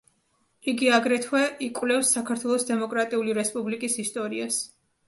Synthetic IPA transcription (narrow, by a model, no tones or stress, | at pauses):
iɡiaɡɾɛt̪ʰwɛʔikʼwlɛfsːakʰaɾt̪ʰwɛlˠɔsd̪ɛmɔkʼɾat̪ʼiuliɾɛspʼublikʼisist̪ʼɔɾias